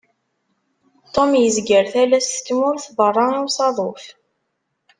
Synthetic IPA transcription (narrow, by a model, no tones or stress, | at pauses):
t̪ˤːomjəzɡəɾθælæstt̪ːmʊɾθvərˤːɑiwsɑðˤof